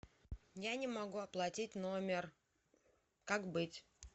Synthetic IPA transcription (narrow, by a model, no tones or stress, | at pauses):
janʲɪmɐɡuɐplˠɐtʲitʲno̞mʲɪr | kakbɨtʲ